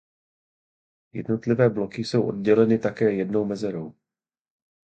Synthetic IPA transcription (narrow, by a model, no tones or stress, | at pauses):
jɛ̰dno̞t̪lɪvɛːblokɪso̞wʔo̞̰dɟɛlɛnɪt̪akɛːjɛdno̞wmɛzɛɾow